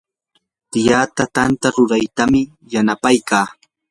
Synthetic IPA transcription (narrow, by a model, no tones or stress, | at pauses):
t̪ɪjaːt̪at̪ant̪aɾʊɾajt̪amɪ | janapajkaː